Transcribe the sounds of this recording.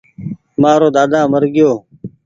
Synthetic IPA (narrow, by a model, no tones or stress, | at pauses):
mãːɾoːd̪aːd̪ãːməɾɡɪjoː